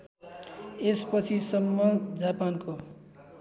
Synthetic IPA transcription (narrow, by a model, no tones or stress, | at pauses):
espʌt͡sʰisʌmːʌd͡zapanko